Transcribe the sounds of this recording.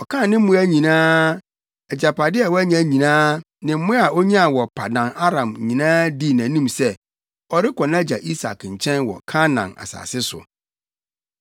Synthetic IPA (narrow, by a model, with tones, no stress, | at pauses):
ɔ˨kʰã˦˨nɪ̃˦m̩˦mʊ̃˦æ˦ɲĩ˨nãː˦ | ɛ˨d͡ʑa˨pʰa˨dɪ˦ɛ˨wɔ˦æ˦ɲ˦ã˦ɲĩ˨nãː˦ | nɪ̃˨m̩˦mʊ̃˦a˨o˦ɲã˦a˨wɔ˨pʰa˨dã˨na˦ɾã˨m˨ɲĩ˨nãː˦di˦˨nã˨nũ˦msɛ˦ | ɔ˨ɾɪ˦kʰɔ̃˨nã˦d͡ʑa̰˨ʔi˦sa̰˨kɲ̩˨t͡ɕʰɛ̃˦nwɔ̰˨kʰã˦nã̰˨na̰˨sa̰ː˨sɪ˦sʊ̰˨